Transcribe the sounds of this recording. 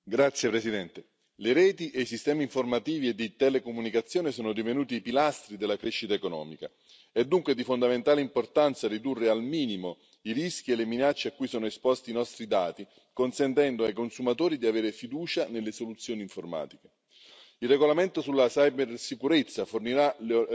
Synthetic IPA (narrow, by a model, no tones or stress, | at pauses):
ɡɾat̪sːjepɾesid̪ɛnt̪e | leɾɛːt̪iʔejsist̪ɛːmiːɱformat̪iːvied̪ːit̪ɛlekomunikat̪sːjoːnesoːnod̪ivenuːt̪iːpilast̪ɾid̪elːakɾeʃːit̪aekonɔ̰ːmika̰ | ɛd̪ːuŋkwed̪ifond̪ament̪aːleimport̪ant̪sarid̪urːealmiːnimo | iɾisk̟ieleminat͡ʃːeakːuːjsoːnoɛspɔst̪iːnɔst̪ɾid̪aːt̪i | konsɛnt̪ɛnd̪oajkonsumat̪oːɾid̪iaveːɾefid̪uːt͡ʃanelːesolut̪sːjoːniɱforma̰ːt̪ike | ilːeɡolament̪osulːasajbersikuɾet̪sːaforniɾa